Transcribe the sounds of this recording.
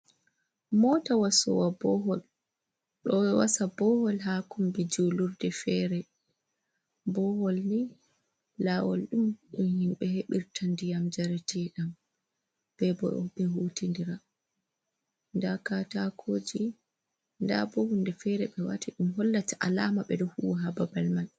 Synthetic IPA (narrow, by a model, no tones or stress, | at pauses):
mɔtawasɔ̰wabɔɦɔl | ɗɔwɛwasabɔhɔlɦakumbid͡ʒuluɾdɛfɛɾɛ | bɔhɔlni | laːwɔ̰lɗumɗunhimɓɛheɓiɾtʰandijamd͡ʒaɾɛtiɗam | b̥ɛbɔɓɛɦuːtindiɾa | ndakatakʰoːd͡ʒi | nda̰bɔhundɛfɛɾɛɓɛwa̰tiɗumɦɔlːataʔalaːmaɓɛdɔhuwaɦababalman